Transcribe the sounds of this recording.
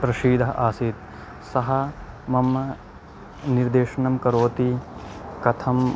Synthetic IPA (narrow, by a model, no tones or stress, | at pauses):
pɾɐʃiːd̪ʱɐɦʔaːsiːt̪̚ | sɐɦɐmɐmɐ | niɾd̪eːʃɐɳɐmkɐɾoːt̪ikɐt̪ʰɐm